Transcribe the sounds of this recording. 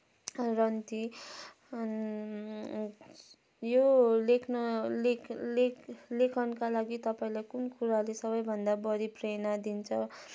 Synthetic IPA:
rʌnt̪i | jolekʰnʌlllekʰʌnkalaɡit̪ʌpaĩlajkunkuɾalesʌbʌjbʱʌnd̪abʌɾiprenad̪int͡sʰʌ

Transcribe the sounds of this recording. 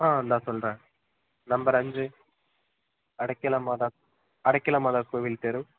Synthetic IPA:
ɦãːɐnd̪aːsɔlɾãː | nɐmbɐɾɐɲd͡ʒɯ | ɐɽɐkːɪlɐmaːd̪a | ɐɽɐkːɪlɐmaðaːkːuːʋilt̪eɾu

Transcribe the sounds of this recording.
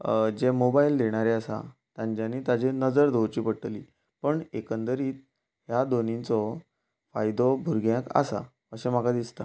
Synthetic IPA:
d͡ʑemobaild̪eɽ̃aɾeasa̰t̪jãɲd͡ʑjaniːt̪ad͡ʑenəd͡zəɾd̪ʱowt͡ɕiːpəɽʈliː | pəɳekənd̪əɾiːt̪̚ | ɦjad̪onĩt͡sɔ | fajd̪ɔbʱuɾɡjãka̰sa̰ | əɕẽmakad̪ist̪a

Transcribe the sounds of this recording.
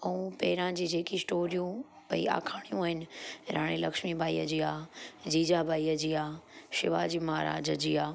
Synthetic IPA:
ɐũpɛːɪɾãd͡ʑiːd͡ʑeːkisʈoːɾijũ | pɐḭa̰ːkʰaːɽ̃ijũaːɦɪnɪ̆ɾaːɽ̃ilɐkʃmibʱaːḭːə̰d͡ʑiːaːd͡ʑiːd͡ʑabʱaːiːəd͡ʑiːaːʃɪʋaːd͡ʑiːmaɦaɾa̰ːd͡ʑəd͡ʑiːaː

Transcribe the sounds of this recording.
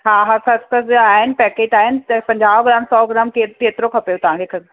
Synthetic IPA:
ɦaːɦɐkʰɐskʰɐsaːɦɪnɪ̆pɛːkeːʈaːɦɪnɪ̆pɐ̃ɲd͡ʑaːʋɡɪɾaːmsɔːɡɾaːmkeːeːt̪ɾokʰɐpjot̪ɐʋ̤ãŋkʰekʰɐs

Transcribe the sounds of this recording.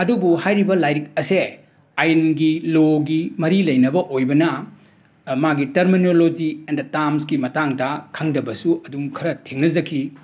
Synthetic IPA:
ɐdubuhajɾibɐlajɾik̚ɐse | ajnɡiloɡimɐɾilɐjnɐbɐʔojbɐnɐ | maɡitɐɾminolod͡ʒiendɐtamsɡimɐtaŋdɐkʰɐŋdɐbɐsuɐduŋkʰɐɾɐtʰeŋnɐzɐkʰi

